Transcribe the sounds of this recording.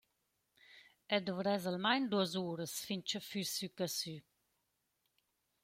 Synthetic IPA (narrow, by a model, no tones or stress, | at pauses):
ɛd̪ɔvɾɛzalmajnd̪uəzuːɾəsfint͡ʃəfyɾsykasy